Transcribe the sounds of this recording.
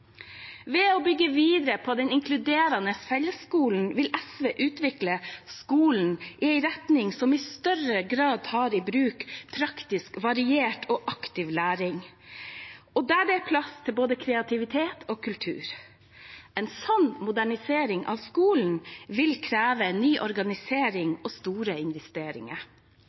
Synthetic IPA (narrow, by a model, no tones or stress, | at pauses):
ʋɛɔbʏɡːəʋiːd̪əɾəpʰɔːd̪ɛnɪŋkʰlʉd̪eːɾɑnəfɛləskuːln̩ʋɪlɛsʋeːʔʉːt̪ʋɪkləskuːln̩ʔɪæɪɾɛt̪nɪŋsɔmɪst̪œɾəɡɾɑːd̪hɑɾiːbɾʉːkpʰɾɑkt̪ɪskʋɑɾɪeːʈʰoːʔɑkt̪ɪʋlæːɾɪŋ | ɔd̪æːɖɛpʰlɑst̪ʰɪlboːd̪əkʰɾɛɑt̪ʰɪʋɪt̪ʰeːt̪ʰoːkʰʉlt̪ʰʉ̰ːɾ | ɛɪnsɔnmʊd̪æɳɪseːɾɪŋʔɑ̰ʋskuːln̩ʋɪlkʰɾæːʋənyːʔɔɾɡɑnɪseːɾɪŋoːst̪uːɾəɪnʋɛst̪eːɾɪ̰ŋə̰ɾ